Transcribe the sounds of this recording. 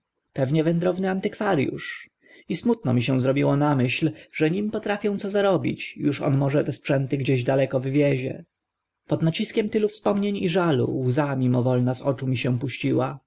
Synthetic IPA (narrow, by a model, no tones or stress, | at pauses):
pɛvɲɛvɛnd̪ɾɔvnɘant̪ɘkfaɾjṵʂ | ismut̪̚nɔmʲiɕɛ̃zɾɔbʲiwɔnamɘɕlʐɛɲimpɔt̪ɾafʲjɔ̃w̃t̪sɔzaɾɔbʲḭt͡ɕjuʂɔ̰nmɔʐɛt̪ɛspʂɛnt̪ɘɡd͡ʑeʑd̪alɛkɔvɘvʲjɛʑɛ̰ | pɔd̪nat͡ɕiskʲɛmt̪ɘlufspɔmɲeɲiʐalṵwzamʲimɔvɔlnazɔt͡ʂumʲiɕɛ̃puɕt͡ɕiwa